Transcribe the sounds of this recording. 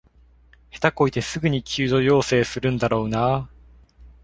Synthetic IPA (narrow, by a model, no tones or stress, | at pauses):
he̥t̪ako̞it̪e̞sɨɡɯ̟ɲ̟ikʲʰɨːd̪o̞jo̞ːse̞ːsɨɾɯ̟̃nd̪aɾo̞ːnaː